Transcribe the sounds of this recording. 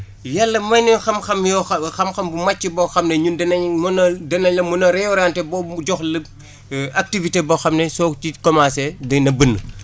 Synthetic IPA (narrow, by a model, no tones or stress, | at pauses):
jalːɐmɐjnixɐmxɐmjɔxɐmxɐmbumat͡ʃːibɔxɐmneɲundɐnɐmunɐdɐnɐɲlɐmunɐɾɛɔɾantɛbɔɟɔxlə | ak̚tiviteboxɐmnɛsɔtikɔmasedɐnɐbənːə